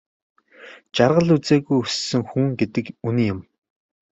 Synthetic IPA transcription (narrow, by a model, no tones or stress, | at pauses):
t͡ɕarʁə̆ɮut͡seːɣujɵsːɘ̆ŋxuŋɡet̪ɘ̆kuniːjʊm